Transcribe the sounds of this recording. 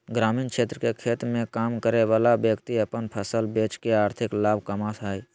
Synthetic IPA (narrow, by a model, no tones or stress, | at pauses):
ɡɾaːmiːnkʃʰeːt̪ɾəkekʰeːt̪mẽkaːmkəɾeʋaːlabjəkt̪iəpənpʰəsəlbeːt͡ʃkeaːɾt̪ʰɪklaːb̚ʱkəmasʰaːi